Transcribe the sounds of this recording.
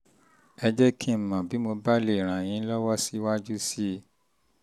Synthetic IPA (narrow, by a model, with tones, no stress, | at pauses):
ɛ˧d͡ʒɛ˦kʰĩ˦m̩˨mã˨bi˨˦mo˧ba˦le˦˨ɾ̃ã˨j̃ĩ˨˦lɔ˦wɔ˦si˦wa˦d͡ʒu˦si˦